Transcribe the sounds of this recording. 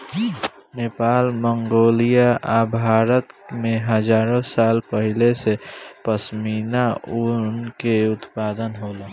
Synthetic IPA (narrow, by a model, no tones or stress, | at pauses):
neːpaːlməŋɡoːlijaabʱaːɾət̪mẽɦəd͡ʒaːɾõsaːlpəɦɪlesepəsminaʊnkeʊt̪paːd̪ənɦoːlaː